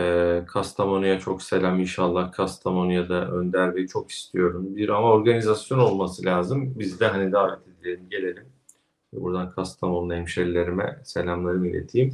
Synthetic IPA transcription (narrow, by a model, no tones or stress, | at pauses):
kʰast̪ʰamonujat͡ʃʰo̞kse̞lʲaminʃalˠːahkʰast̪ʰamonjad̪aʔø̰nd̪æɾmɛjt͡ʃʰo̞ki̥st̪ʰijo̞ɾumbiɾamao̞ɾɡanizasjo̞no̞lˠmasɯlʲaːzɯmbizd̪ɛɦanid̪aːvɛt̪ʰe̞d̪ilʲelʲimɟe̞lʲe̞lʲim | vɛ̰bṵɾd̪ankʰast̪ʰamonuɛmʃelʲlʲːe̞ɾimɛ̰se̞lʲamlˠaɾɯmilʲḛt̪ʰiːm